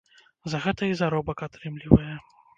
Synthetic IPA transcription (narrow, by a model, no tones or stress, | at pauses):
zɐɣɛt̪ɐizaɾɔbɐkat̪ɾɨmlʲivɐjɛ